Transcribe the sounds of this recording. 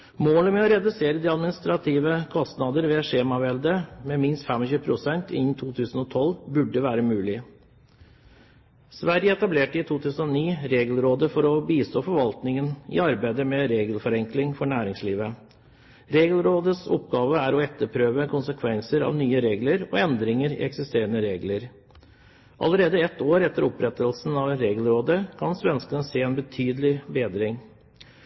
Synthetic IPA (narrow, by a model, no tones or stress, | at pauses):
moːləmɛɔɾɛd̪ʉseːɾəd̪iːɑd̪mɪnɪst̪ɾɑt̪ʰiːʋəkʰɔst̪nɑd̪əɾʋɛːʂeːmɑʋɛld̪əmɛmɪnst̪fɛmɔɕʉːpʰɾʊsɛnt̪ʰɪnːt̪ʰuːt̪ʰʉːsən̩ɔt̪ʰɔlbʉɖːəʋæːɾəmʉːlɪ | sʋæɾjəɛt̪ɑbleːʈəɪt̪ʰuːt̪ʰʉːsən̩ɔniːɾeːɡəlɾoːd̪əfɔɾɔbiːst̪oːfɔɾʋɑlt̪nɪŋənɪ̰ɑɾbæɪd̪əmɛɾeːɡəlfɔɾɛŋklɪŋfɔɳæːɾɪŋsliːʋə | ɾeːɡəlɾoːd̪əsɔ̰pɡɑːʋəæɾɔɛt̪ːəɾpʰɾøːʋəkʰʊnsəkʰʋɛnsəɾɑ̰ːʋnyːəɾeːɡləɾɔ̰ɛnd̪ɾɪŋəɾɪ̰ɛksɪst̪eːɾənəɾeːɡləɾ | ʔɑ̰ləɾeːd̪əɛt̪oːɾɛt̪ːəɾɔpɾɛt̪əlsn̩ɑʋɾeːɡəlɾoːd̪əkʰɑnsʋɛnskənəseːɛnbət̪ʰyːd̪lɪbeːd̪ɾɪŋ